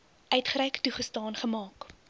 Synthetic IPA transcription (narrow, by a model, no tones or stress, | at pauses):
ʔœɥtχəɾɛjktuχəstɑːnχəmɑːk